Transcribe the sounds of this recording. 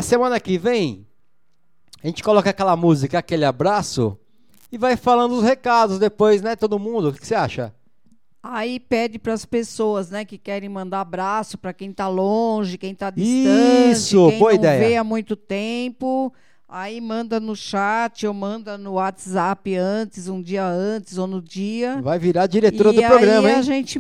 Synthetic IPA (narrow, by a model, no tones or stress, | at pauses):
ɐsemɐ̃nɐkɪvẽj̃ | aʒẽnt͡ʃɪkolɔkɐakɛlɐmuzikɐːkelɪabɾasʊ̰ | ɪvajfalɐ̃nd̪ʊʊshekad̪ʊzd̪epojznɛt̪od̪ʊmũd̪ʊkɪ̥kɪ̥seaʃɐ̰ | aipɛd͡ʒɪpɾɐspesoɐznɛkɪkɛɾẽj̃mɐ̃nd̪aabɾasʊpɾɐkẽj̃t̪alõʒɪkẽj̃t̪ad͡ʒɪsiɐ̃sʊ̃b̃õĩd̪ɛjɐvejamũj̃t̪ʊt̪ẽpʊ | aimɐ̃nd̪ɐnʊʃat͡ʃɪomɐ̃nd̪ɐnʊwat͡ʃ̪ɪzapɪɐ̃t͡ʃɪzũd͡ʒiɐɐ̃t͡ʃɪzonʊd͡ʒiɐvajviɾad͡ʒiɾet̪oɾɐʊapɾoɡɾɐĩmiɐaʒẽnt͡ʃɪ